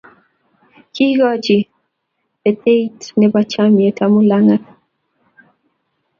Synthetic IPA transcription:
kʰi˦ɡɔ˦d͡ʒi˨ | ɛ˨t̪e˦i˦tnɛbat͡ʃa˦mje˨tʰa˦mu˦la˦ŋa˦

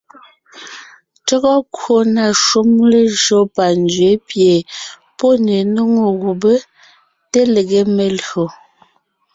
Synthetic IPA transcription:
tɔ˦ɣɔ˦kwo˨na˨ʃu˦mle˦ʒo˦pa˨nd͡ʒɥe˨˦pje˨ | po˦ne˨no˦ŋo˨ɣu˨be˦ | te˦le˨ɡe˦me˨lɰo˨

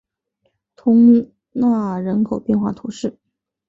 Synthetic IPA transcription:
t̪ʰʊ˧˥ŋ | na˥˩ɻə˧˥nkʰo˨˩ʊpjɛ˥˧nxwa˥˩t̪ʰu˧˥ʂɻ̩˥˩

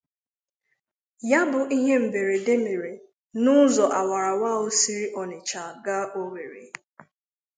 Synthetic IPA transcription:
ja˦bʊ˨ʔi˦ɦe˦m̩˨be˨ɾe˨de˦me˨ɾe˨ | nʊ˦zɔ˨ʔa˨wa˨ɾa˨wa˦o˦si˦ɾi˦ʔɔ˨nɪ˨t͡ʃa˨ɡa˦ʔo˦we˨ɾḛ˨

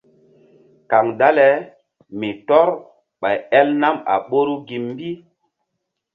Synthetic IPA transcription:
ka˨ŋda˦lɛ˦ | mi˨tɔ˦ɾ | ɓa˨jɛ˦lna˦ma̰˨ɓo˦ɾu˦ɡi˨mː˦bi˦

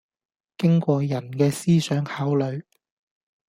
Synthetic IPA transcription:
kɪ˥ŋkʷɔː˧jɐ˨˩nkɛː˧siː˥sœː˨˥ŋhaː˨˥wlɵ˨˧ɥ

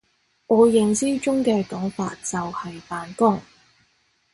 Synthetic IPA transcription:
ɔː˨˧jɪ˨ŋsiː˥t͡sʊ˥ŋkɛː˧kɔ˨˥ŋfa̰ː˧t̚t͡sɐ˨whɐ˨jpaː˨nkʊ˥ŋ

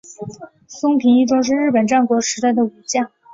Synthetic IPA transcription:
sʊ˥ŋpʰi˧˥ŋi˥˧ʈ͡ʂʊ˥ŋʂ̬ɻ̩˥˧ɻɻ̩˥˩pə˨˩nʈ͡ʂa˥˩nkwɔ˧˥ʂɻ̩˧˥t̪a˥˩ɪd̪ə˩u˨˩t͡ɕjɑ˥˩ŋ

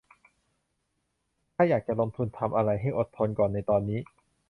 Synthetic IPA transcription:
kʰaː˥˩jaː˨˩k̚t͡ɕa˨˩lo˧mt̪ʰu˧nt̪ʰa˧mʔa˧ɾa˧jɦa˥˩jʔo˨˩t̪ʰːo˧nkɔː˨˩nːa˧jt̪ɔː˧nːiː˦˥

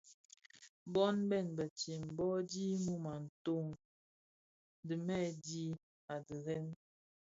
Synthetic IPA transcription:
bɔ˦nbɛ˦˨nbə˨t͡ʃi˨m˨bɔ˦di˦mu˦ma˨n̩˨to˦ŋ˦ | dɨ˨mɛ˦di˦ | a˨də˨ɣɛ˦n

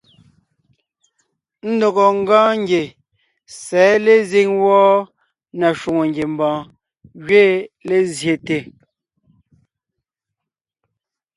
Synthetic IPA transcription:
n̩˦do˨ɣɔ˨ŋ̩˦ɡãː˦ŋ˦ɡje˨ | sɛː˨˦le˦˨zi˦ŋwɔː˦ | na˨ʃwu˨ŋo˨ŋɡje˨m̩˨bɔ̃ː˨ | ɣɥe˦le˦zje˨te˨

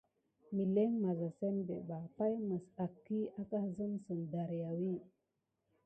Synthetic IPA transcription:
mi˨le˦ŋma˨za˨se˦nbḛ˨ba˨pa˦jmə˨sa˨kːi˦a˦ka˦zə˦msə˨nda˨ɾja˨wi˦

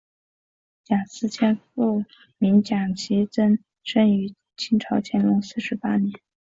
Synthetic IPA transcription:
t͡ɕja˨˩sɹ̩˥˩t͡ɕʰjɛ˥nfu˥˩ | mi˧˥ŋt͡ɕja˨˩ŋt͡ɕʰi˧˥t͡sə˥n | ʂə˥ny˧˥ | t͡ɕʰi˥ŋʈ͡ʂʰɑ˧˥ʊt͡ɕʰjɛ˧˥nlʊ˧˥ŋsɹ̩˥˩ʂɻ̩˧˥pa˥njɛ˧˥n

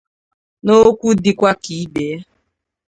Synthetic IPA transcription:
no˦kʷu˦dɪ˨kʷa˦ki˨˦be˨˦

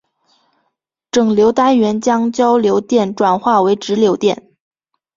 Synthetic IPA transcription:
ʈ͡ʂɤ˨˩ŋljo˧˥ʊt̪a˥nɥɛ˧˥nt͡ɕjɑ˥ŋt͡ɕjɑ˥ʊljo˧˥ʊt̪jɛ˥˩nʈ͡ʂwa˨˩nxwa˥˩we˧˥ɪʈ͡ʂɻ̩˧˥ljo˧˥ʊt̪jɛ̰˥˩n

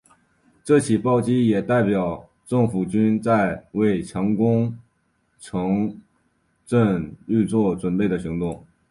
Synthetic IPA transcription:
ʈ͡ʂɤ˥˩t͡ɕʰi˨˩pɑ˥˩ʊt͡ɕi˥jɛ˨˩t̪a˥˩ɪpjɑ˨˩ʊ | ʈ͡ʂɤ˥˩ŋfu˨˩t͡ɕy˥nt͡sa˥˧ɪwe˥˩ɪt͡ɕʰjɑ˧˥ŋkʊ˥ŋ | ʈ͡ʂʰɤ˧˥ŋ | ʈ͡ʂə˥˧ŋy˥˧t͡swɔ˥˩ʈ͡ʂwə˨˩nle˥˩ɪd̪ə˩ɕi˧˥ŋt̪ʊ˥˩ŋ

